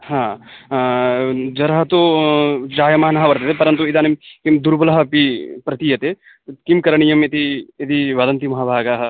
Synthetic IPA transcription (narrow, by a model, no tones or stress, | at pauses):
hãː | d͡ʒɐɾɐɦɐt̪o | d͡ʒaːjɐmɐɦnɐɦɐʋɐɾt̪et̪epɐɾɐnt̪̬uid̪aːnimkimd̪uɾbɐlɐɦɐpipɾɐt̪ijɐt̪e | kimkɐɾɐɳijɐmet̪iɐd̪iʋɐd̪ɐnt̪imɐɦabʱaːɡaɦɐ